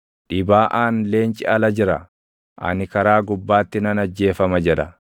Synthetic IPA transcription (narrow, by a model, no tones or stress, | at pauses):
ᶑɪbaːʔaːnle̞ːnt͡ʃʼɪʔɐlɐd͡ʒɪɾɐ̰ | ʔɐ̰nɪkɐɾaːɡʊbːaːt̪ːɪnɐnɐd͡ʒːe̞ːfɐmɐd͡ʒɛᶑɐ